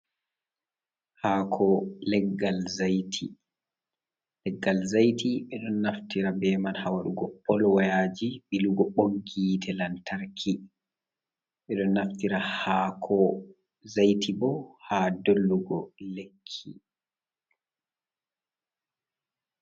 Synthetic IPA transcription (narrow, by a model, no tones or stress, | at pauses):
haːkʰɔlɛɡːalzajtʰi | lɛɡːalzajtʰiɓɛɗɔnːaftiɾabɛːmanhawaɗuɡɔpʰːɔlwajaːd͡ʒiɓiluɡɔɓoŋɡiːtʰɛlantaɾkʰi | ɓɛɗɔnːaftiɾahakʰɔ | zajtʰibɔhaːdolːuɡɔlekʰːi